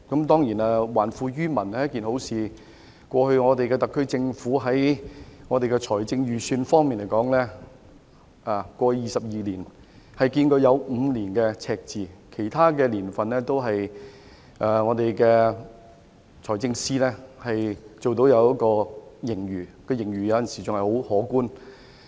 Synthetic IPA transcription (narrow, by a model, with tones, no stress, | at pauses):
kɐ˨˥mt̪ɔː˥ŋjiː˨˩naː˧waː˨˩nfuː˧jyː˥mɐ˨˩naː˨˦jɐ˥kiː˨nho˨˥wsiː˨ | kʷɔː˧hɵ˧ɥŋɔː˨˧t̪e˨jkɛː˧t̪ɐ˨kʰːɵ˥ɥt͡sɪ˧ŋfuː˨˥ɦɐ˨˥jŋɔː˨˧t̪e˨jkɛ˧t͡sʰɔː˨˩jt͡sɪ˧ŋjyː˨˩syː˧nfɔː˥ŋmiː˨nle˨˩jkɔː˨˥ŋlɛː˥ | aː˨kʷɔː˧jiː˨sɐ˨p̚jiː˨liː˨˩n | hɐ˨jkiː˧nkɵ˧ɥjɐ˨˧wm̩˨˧liː˨˩nkɛː˧t͡sʰɛː˧k̚t͡siː˨kʰe˨˩jt̪ʰaː˥kɛː˧liː˨˩nfɐ˨nlɛː˥t̪o˥wɦɐ˨j | ʔɛː˨˩ŋɔː˨˧t̪e˨jkɛː˧ | t͡sʰɔː˨˩jt͡sɪ˧ŋsiː˥lɛː˥hɐ˨jt͡so˨wt̪̬o˨˥wjɐ˨˧wkɔː˧jɪ˨˩ŋjyː˨˩kɔː˧jɪ˨˩ŋjyː˨˩jɐ˧wjɐ˨nsiː˨˩t͡sʊ˨ŋhjho˨˥whɔː˨˥kuː˥n